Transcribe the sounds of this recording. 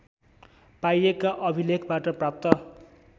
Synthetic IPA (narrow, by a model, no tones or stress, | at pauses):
pajekaʔʌbʱilekʰbaʈʌprap̚t̪ʌ